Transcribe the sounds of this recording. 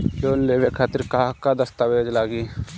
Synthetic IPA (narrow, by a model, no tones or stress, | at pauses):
loːnleːʋekʰaːt̪ɪɾkakad̪ɐst̪aʋeːd͡ʒlaːɡiː